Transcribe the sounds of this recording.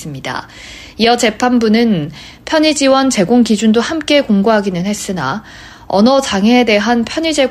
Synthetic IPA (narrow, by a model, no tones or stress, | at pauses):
ɯmɲida̰ | ijʌt͡ɕe̞pʰanbunɯn | pʰjʌɲid͡ʑiwʌnt͡ɕe̞ɡoŋkid͡ʑundohamk͈e̞koŋɡoɦaɡinɯnhe̞s͈ɯna̰ | ʌ̰nʌt͡ɕaŋeːde̞ɦanpʰjʌɲid͡ʑe̞ɡ